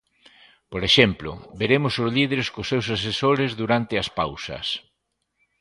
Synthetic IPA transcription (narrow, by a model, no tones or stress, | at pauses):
poɾeʃemplʊ̰beɾemʊsʊzlið̞eɾeskʊsːews̬as̬esoɾɪzðuɾant̪ɪɐspawsɐ̰s